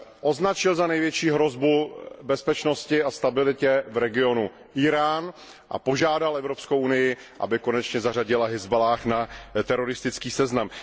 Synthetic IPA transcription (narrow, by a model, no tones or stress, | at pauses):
ʔo̞znat͡ʃɪlzanɛjvjɛt͡ʃiːɦɾo̞zbubɛspɛt͡ʃno̞scɪʔast̪abɪlɪcɛvɾɛɡɪo̞nu | ʔiɾaːn | ʔa̰po̞ʒaːdalʔɛvɾo̞pskowʔunɪjɪ | ʔa̰bɪko̞nɛt͡ʃɲɛzar̝aɟɪlaɦɪzbalaːxnat̪ɛɾo̞ɾɪst̪ɪt͡skiːsɛznam